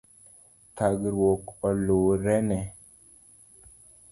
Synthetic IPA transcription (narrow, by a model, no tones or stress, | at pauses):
t̪aɡɾwokɔloɾɛnɛ